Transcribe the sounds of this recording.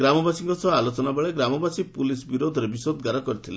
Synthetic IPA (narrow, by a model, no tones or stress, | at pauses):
ɡɾamɔbasĩŋkɔsʰɔalot͡ʃɔnabaɭeɡɾamɔbasipulisbiɾod̪ʱɔɾebisod̪ɡaɾɔkɔɾit̪ʰile